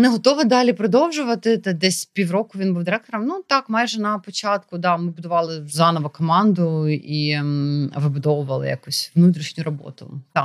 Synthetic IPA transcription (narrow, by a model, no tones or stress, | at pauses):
nɛɦɔt̪ɔʋɐd̪ɑlʲipɾɔd̪ɔwʒʊʋɐt̪ɪt̪ɛd̪ɛsʲpʲiwrɔkʊʋʲinbuwd̪ɪɾɛk̚t̪ɔɾɐmnut̪ɑkmɑjʒɛnɐpɔt͡ʃɑt̪kʊd̪ɑmɪbʊd̪ʊʋɑlˠɪzɑnɔʋɐkɔmɑnd̪ʊi | ɐʋɪbʊd̪ɔʋʊʋɐlˠɪ̰jɐ̰kusʲʋnut̪ʲɾʲiʃnʲʊɾɔbɔ̰t̪ʊ̰t̪ɑ